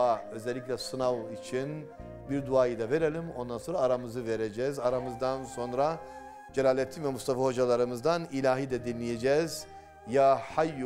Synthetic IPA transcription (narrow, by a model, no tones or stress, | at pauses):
aø̞zɛlʲːicʲlʲɛsɯnavit͡ʃʰin | biɾd̪uaːjɯd̪ave̞ɾelʲimo̞nd̪anso̞nɾaːɾamɯzɯveɾed͡ʒɛːzaɾamɯzd̪anso̞nɾa | d͡ʒelʲaːlʲɛt̪ʰːimvɛmust̪ʰafaho̞d͡ʒalˠaɾɯmɯzd̪anilʲaːɦid̪ɛd̪inlʲijed͡ʒɛːz | jaːhaj